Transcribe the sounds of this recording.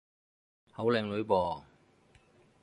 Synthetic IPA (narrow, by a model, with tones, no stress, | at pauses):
hɐ˨˥wlɛː˨˧ŋlɵ˨˥ɥpɔː˨˩